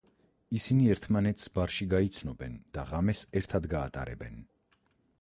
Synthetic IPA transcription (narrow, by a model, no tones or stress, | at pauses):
isiniɛɾt̪ʰmanɛt̪ʰsbaɾʃiɡait̪sʰnɔbɛnd̪̥aʁamɛsɛɾt̪ʰad̪ɡaːt̪ʼa̰ɾɛ̰bɛn